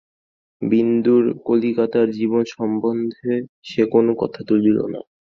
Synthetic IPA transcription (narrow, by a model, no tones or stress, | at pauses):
bind̪uɾkolikat̪aɾd͡ʑibonʃɔmbond̪ʱe | ʃekonokɔt̪ʰat̪ulilo̰na̰